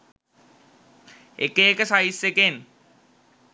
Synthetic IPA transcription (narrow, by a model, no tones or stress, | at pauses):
ekeekəsaisːeken